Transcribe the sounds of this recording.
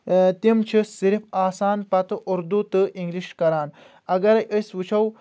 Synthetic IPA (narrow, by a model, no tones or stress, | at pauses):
t̪imt͡ʃʰisiɾifaːsaːnpɐt̪ɨʔuɾd̪ut̪ɨʔiŋɡliʃkɐɾaːn | ɐɡɐɾɐjʔəswut͡ʃʰɐw